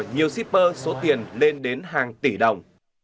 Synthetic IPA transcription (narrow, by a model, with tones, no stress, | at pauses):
ɲi˨˩əwsi˦˥p̚pəː˧so˨˦t̪i˨˩ənle˧nɗe˨˦nɦaː˨˩ŋt̪i˧˩ɗə˨˩wŋ͡m